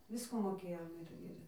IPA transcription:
ˈʋʲɪskoː moːˈkʲeːjoːm ˈɪr ˈɪr

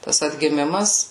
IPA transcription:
ˈtɐs ɐdʲɡʲɪˈmʲɪmɐs

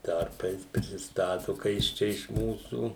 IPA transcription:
ˈtɐrpɐɪs pʲrʲɪsʲɪˈstɑːtʊ kɐ jɪs ˈt͡ʃʲɛ ɪʃ ˈmuːsuː

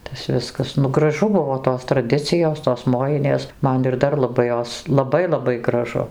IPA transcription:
ˈtɐs ˈʋʲɪskɐs nʊ ɡrɐˈʒʊ ˈbʊʋoː toːs trɐˈdʲɪt͡sʲɪjoːs toːs ˈmoːjɪnʲeːs ˈmɐn ɪr ˈdɐr lˠɐˈbɐɪ ˈjoːs lˠɐˈbɐɪ lˠɐˈbɐɪ ɡrɐˈʒʊ

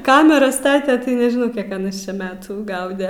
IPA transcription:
ˈkɑːmʲɛrɐs ˈstɑːtʲɛ tɐɪ nʲɛʒʲɪˈnɐʊ ˈkʲiɛk ɐˈnɐs t͡ʃʲɛ ˈmʲæːtuː ˈɡɐʊdʲɛ

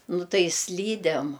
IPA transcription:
ˈnʊ ˈtɐɪ ˈsʲlʲiːdʲɛm

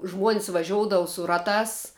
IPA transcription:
ʒmuɔnʲsʲ ʋɐˈʒʲoːʊdɐʋoː sʊ ˈrɑːtɑːs

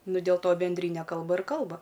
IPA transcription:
ˈnʊ dʲeːlˠ toː bʲɛnʲˈdʲrʲiːnʲɛ ˈkɐlˠbɐ ɪr ˈkɐlˠbɐ

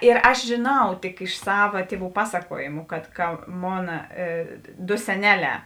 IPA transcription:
ɪr ˈɐʃ ʒʲeːˈnɐʊ tʲɪk ɪʃ ˈsɑːʋɐ ˈtʲiɛˌʋuː ˈpɑːsɐkuɔjɪmʊ kɐt kɐ ˈmoːnɐ ˈdoː sʲɛˈnʲæːˌlʲɛː

